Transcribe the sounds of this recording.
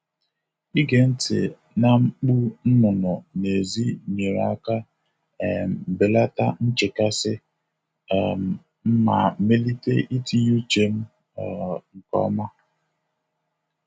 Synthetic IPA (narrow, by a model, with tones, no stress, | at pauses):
i˦ɡe˨n̩˦tɪ̰˨ | na˦ŋ͡m̩˦k͡pu˦n̩˦nʊ˨nɔ˨ne˨zi˦ɲe˨ɾa˦ka˦ | ɛ˨m̩˨be˨la˦ta˦n̩˦t͡ʃe˨ka˦sɪ˦˨ | m̩˨ | m̩˦ma˨me˦li˦te˦ʔi˦ti˦ɲu˦t͡ʃe˦m̩˦˨ | ŋ̩˨kɔ̰˦ma˦